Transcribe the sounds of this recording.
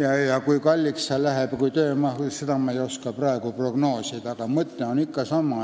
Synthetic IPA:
jɑjɑkuijkɑlʲːiksɑlæɦeb̥kuit̪øːmɑhsed̪ɑmɑeijoskɑprɑeɡuproɡ̥noːsit̪ɑɡ̥ɑmɤt̪ːeonikːɑsɑmɑ

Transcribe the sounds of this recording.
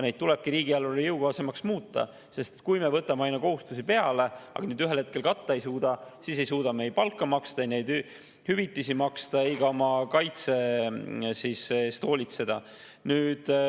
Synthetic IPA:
nejd̪̚t̪ulɛb̥̚kiɾiːɡ̥iɑlːulejɯwɡ̥ɑse̞mɑksmuːt̪ːˑɑ̰ | se̞st̪e̥t̪kujmevɤt̪ːˑɑmeɑjnɑko̞ɦust̪usipe̞ɑle̞ɑ̰ɡɑnyːd̪yɦe̞lhe̞t̪̚kelkɑt̪ˑːɑe̞jsuːd̪̥ɑsiːs̬e̞jsuːd̪̥ɑme̞jpɑlkːˑɑmɑkst̪ɑejne̞jd̪ | hyvit̪ːˑisimɑkst̪ɑejɡɑomɑkɑjt̪se̞ | sisst̪o̞ːlʲit̪se̞d̪̥ɑ | nyːd̪̥

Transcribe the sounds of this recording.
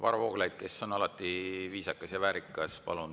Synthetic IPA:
vɑ̰ɾɑvo̞̰ːɡ̥lɑjd̪̥̚ke̞sːo̞nɑlɑt̪ːˑiviːsɑkːˑɑsjɑvæːɾikːˑɑspɑ̰lun

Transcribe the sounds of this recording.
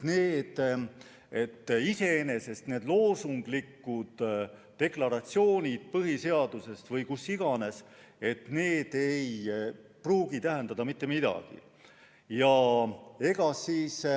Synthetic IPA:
neːd̪̥ | e̞t̪ːise̞ene̞se̞st̪ne̞ːd̪lo̞ːsuŋɡ̥likːud̪̥ː | e̞klɑɾɑt̪sio̞ːnʲid̪̥̚pɤɦise̞ɑd̪̥use̞st̪vɤjkusːiɡ̥ɑne̞s | e̞t̪ne̞ːd̪̥e̞jpruːɡit̪æɦẽnd̪ɑd̪ɑmit̪ːˑe̞mid̪̥ɑ̰ɡ̥ḭ | jɑ | e̞ɡ̥ɑsiːs

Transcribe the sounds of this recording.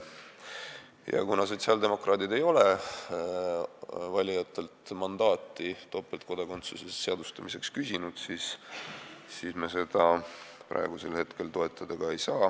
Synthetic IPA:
jɑ̰kunɑs̬o̞t̪siɑld̪e̞mo̞krɑːd̪id̪e̞jo̞le̞ | vɑlʲijɑt̪ːˑe̞lt̪mɑnd̪̥ɑːt̪ːˑit̪o̞pːˑelt̪̚ko̞d̪̥ɑko̞nt̪susesːeɑd̪̥ust̪ɑmise̞kskysʲinud̪̥siːs | siːsmese̞d̪̥ɑpɾɑ̰eɡ̥use̞lhe̞t̪ke̞lt̪o̞e̞t̪ːˑɑd̪̥ɑɡ̥ɑe̞jsɑː

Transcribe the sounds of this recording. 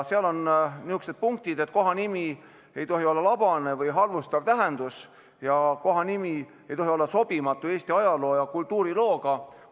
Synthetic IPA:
seɑlo̞nniuksed̪̥̚puŋk̚t̪id̪et̪̚ːˑko̞ɦɑnimi | e̞jt̪o̞ɦio̞lːɑlɑb̥ɑne̞vɯjɦɑrvust̪ɑvt̪æɦend̪̥us | jɑko̞ɦɑnimi | e̞jt̪o̞ɦio̞lːɑso̞b̥imɑt̪ːˑue̞ːst̪iɑjɑlo̞ːjɑkult̪ːˑuːɾilo̞ːɡ̥ɑ

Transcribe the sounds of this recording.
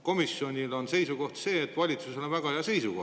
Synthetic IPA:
ko̞misjo̞nʲilo̞nse̞jsuko̞ht̪se̞ːet̪ːˑvɑlʲit̪suselonvæɡ̥ɑheɑse̞jsuko

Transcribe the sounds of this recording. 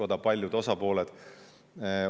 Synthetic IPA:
od̪̥ɑpɑlʲjud̪o̞sɑpo̞ːled̪̥

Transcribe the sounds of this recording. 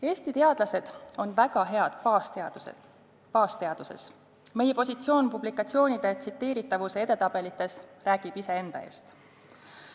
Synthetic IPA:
e̞ːst̪it̪e̞ɑd̪̥lɑse̞d̪̥o̞nvæɡ̥ɑɦe̞ɑd̪̥ | pɑːst̪e̞ɑd̪̥use̞̰s | me̞je̞po̞sʲit̪sio̞ːnpublikˑɑt̪sio̞ːnid̪̥e̞t̪sit̪ːe̞ːɾit̪ːˑɑvuseed̪e̞t̪ɑb̥e̞lit̪ːˑe̞sræːɡ̥ib̥ise̞e̞nd̪ɑ̰e̞̰ːst̪

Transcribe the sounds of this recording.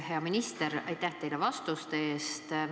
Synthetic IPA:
he̞ɑminist̪eɾɑ̰jt̪ːæht̪e̞jlevɑst̪ust̪eeːst̪

